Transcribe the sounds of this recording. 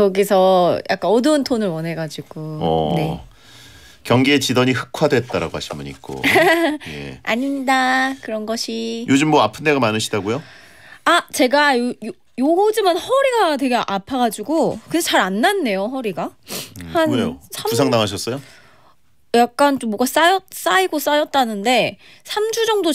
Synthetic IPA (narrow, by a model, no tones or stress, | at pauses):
kʌɡisʰʌjʔa̰k͈anʌdɯntʰonɯɭwʌne̞ɡad͡ʑiɡ̥oʌ̰ne̞ | kjʌŋɡiet͡ɕidʌɲihɯ̥k̚ʰwadwet̚t͈aɾa̰ɡoɦaɕʰinmaɲḭk͈̚o̰ | ḛaɲiɲidakɯɾʌnɡʌɕʰijod͡ʑɯmːʌapʰɯndeɡamanɯɕʰidaɡujo | at͡ɕe̞ɡajojo | jood͡ʑimanhʌɾiɡatwe̞ɡe̞ʔapʰaɡad͡ʑiɡokɯdet͡ɕaɾanːanːe̞joɦʌɾiɡahanosʰamus̬ʰaŋdaŋɦaɕ̬ʰʌs͈ʌjo | jak̚k͈ant͡ɕomːoɡas͈ajʌt̚s͈aiɡos͈ajʌt̚t͈anɯnde̞ | sʰamd͡ʑud͡ʑʌŋdo